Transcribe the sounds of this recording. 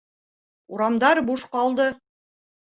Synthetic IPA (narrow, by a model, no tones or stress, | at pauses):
uɾɑmd̪ɑɾbuʃqɑlˠd̪ɤ